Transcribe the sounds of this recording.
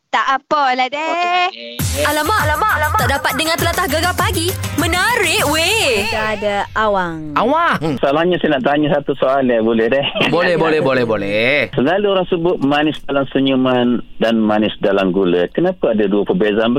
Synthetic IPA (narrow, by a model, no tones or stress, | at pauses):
t̪aʔapəlade | alamaʔlamaaʔdapat̪̚dəŋãnt̪əlat̪ahɡaɡapaɡimənəɾɪʔweaadaʔawaŋawasalahɲasɛnaʔt̪aɲasat̪usoʔalabolɛhdɛhbolɛhbolɛhbolɛhbolɛsəlaluoɾaŋsəbʊt̪̚manɪsdalamsəɲumandanmanɪsdalamɡulakənapaadaduapərbezaanbə